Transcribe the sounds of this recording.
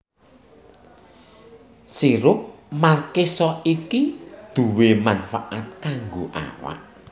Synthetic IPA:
siɾʊk̚makesɔikid̪̥ṳwemanfaʔat̪̚kaŋɡoʔa̰wa̰ʔ

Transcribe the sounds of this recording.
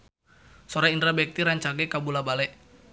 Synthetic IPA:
sɔɾaind̪ɾabɛk̚t̪iɾaɲt͡ʃaɡɛkabulabalɛʔ

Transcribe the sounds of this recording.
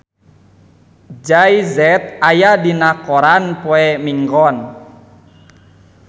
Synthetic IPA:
d͡ʒajzɛt̪̚ajadinakɔɾanpoɛmiŋɡɔn

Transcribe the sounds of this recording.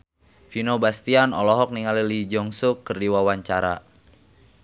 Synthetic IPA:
finobast̪ianɔlɔɦɔk̚niŋalilid͡ʒɔŋsukːərdiwawaɲt͡ʃaɾa̰

